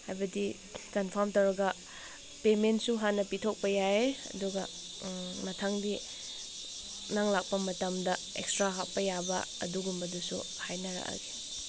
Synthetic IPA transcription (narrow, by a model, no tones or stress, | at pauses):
hajbɐdi | kɐnpʰɐɾmtɐwɾɐɡɐ | pementsuɦanːɐpitʰok̚pɐjaeɐ̰duɡɐ | mɐtʰaŋdi | naŋlak̚pɐmɐtɐmdɐ | ekstɾaɦat̚pɐjabɐ̰ɐ̰duɡumbɐdusṵ | hajnɐɾɐ̰ka̰ɡi̥